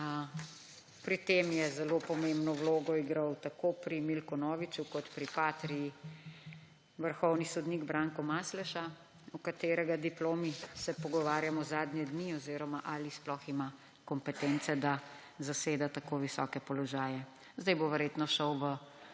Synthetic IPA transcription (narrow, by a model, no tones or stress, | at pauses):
pɾit̪eːmjɛzɛlopɔmembnɔwloːɡɔiɡɾawt̪akopɾimilkɔnɔːʋit͡ʃukɔt̪pɾipat̪ɾii | ʋəɾxɔwnisɔd̪niɡbɾaːŋkɔmaːslɛʃa | ukat̪eːɾɛɡad̪iploːmisɛpɔɡɔʋaːɾjamɔzaːd̪njɛd̪niɔziɾɔmaʔalisplɔxima | kɔmpɛt̪ɛnt̪sɛd̪a | zaseːd̪at̪akoʋisɔ̰ːkɛpɔlɔʒaːjɛ | zd̪ajboʋɛɾjeːt̪nɔʃɔwʋə